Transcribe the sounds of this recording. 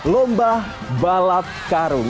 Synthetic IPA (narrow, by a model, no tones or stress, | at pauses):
lɔmbah | balap̪̚kaɾuŋ